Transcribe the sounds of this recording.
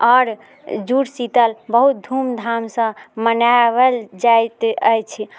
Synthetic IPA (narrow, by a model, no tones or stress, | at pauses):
ɔɾ | d͡ʒuɾsit̪əlbəɦut̪̚d̪ʱumd̪ʱamsə̃mənabəld͡ʒajt̪ə̰jt͡ʃʰi